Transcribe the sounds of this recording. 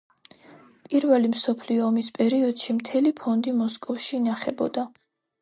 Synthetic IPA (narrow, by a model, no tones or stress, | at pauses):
pʼiɾvɛlimsɔpʰliɔːmispʼɛɾiɔd̪̥ʃimt̪ʰɛlipʰɔnd̪imɔskʼɔfʃiːnaχɛbɔ̰d̪a